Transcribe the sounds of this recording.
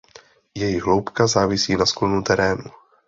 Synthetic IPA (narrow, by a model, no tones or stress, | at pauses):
jɛjɪɣɦlowpkazaːvɪsiːnasklonut̪ɛɾɛːnu